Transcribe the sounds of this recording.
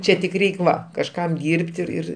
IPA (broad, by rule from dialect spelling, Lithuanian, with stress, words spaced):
ˈt͡ʃʲɛ tʲɪk ˈrʲɛɪkʲ ˈʋɐ kɐʃˈkɐm ˈdʲiːrʲpʲtʲ ɪr ˈɪr